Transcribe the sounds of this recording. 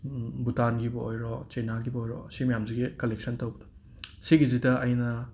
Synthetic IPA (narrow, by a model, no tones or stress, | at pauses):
butanɡibɐojɾɔt͡ʃɐjnaɡibojɾɔ̰simɐjamziɡikɐlek̚sʰɐntɐwbɐdɐ̥ | siɡizidɐʔɐjnɐ